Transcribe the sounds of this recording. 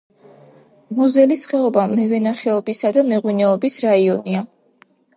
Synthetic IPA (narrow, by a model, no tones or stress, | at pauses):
mɔzɛlisχɛɔbamɛvɛnaχɛɔbisad̪amɛʁwinɛɔbisɾaiɔnia